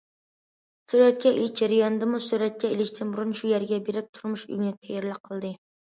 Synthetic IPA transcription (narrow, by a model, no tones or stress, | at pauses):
suɾɛt̪̚kʲɛḛlɪt͡ʃd͡ʒaɾɪjɑnɨd̪ɨmusyɾɛt̪̚kʲɛelɪt͡ʃt̪ʰɪnbuɾunʃujɛɾɡʲɛbeɾɪp̚t̪ʰuɾmuʃy̰ɡʲɪnɪt̪ʰɛjɛɾlɪqʰːəlˠd̪ɨ